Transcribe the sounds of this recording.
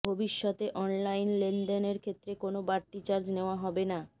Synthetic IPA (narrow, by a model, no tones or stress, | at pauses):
bʱobiʃːɔt̪eʔɔnlajnlend̪eneɾkʰet̪ːɾekonobaɾʈːit͡ɕaɾd͡ʑneoaɦɔbena